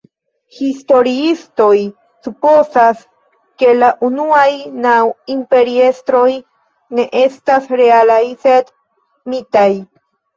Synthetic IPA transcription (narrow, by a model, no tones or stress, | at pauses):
histo̞ɾiisto̞j | supo̞sas | ke̞laʔunuajnawimpe̞ɾie̞st̪ɾo̞j | ne̞ʔe̞stasɾe̞alajsed | mitaj